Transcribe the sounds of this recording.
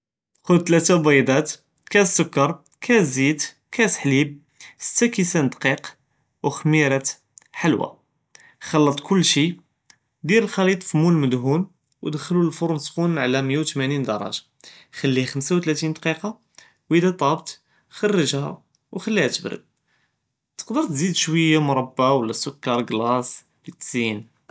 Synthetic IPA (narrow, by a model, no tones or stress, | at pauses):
xʊd̪̚t̪læt̪æbæjd̪æt̪ | kæsːʊkːɑɾˤ | kʰæzid̪ | kʰæt̪ħlib̚ | sə̥t̪ːækisænd̪qiq | wxmiɾæt̪ | ħalwa̰ | xɑlːɑt̪ˤkʊlːʃi | d̪iɾlxɑlit̪ˤfimːulməd̪ɦun | wd̪xəlulfuɾˤnskunʕlæməjawt̪mænind̪ɑɾˤɑ̰ʒḁ | xælːihxəmsawt̪læt̪ind̪ɑqiqɑ | wid̪æt̪ˤɑbt̪ | xɑrˤːəʒhæ̰ | wxəlːihæt̪əbɾə̰d̪̚ | t̪ə̥qd̪əɾt̪zid̪ʃwəjːamʊɾˤɑbːawəlːæsʊkːɑɾˤɡlɑs | lət̪zin